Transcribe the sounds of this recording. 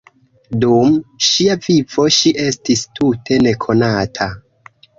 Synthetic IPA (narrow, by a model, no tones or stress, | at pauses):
dumʃiavivo̞ʃiʔe̞stistutʰe̞ne̞kʰo̞natʰa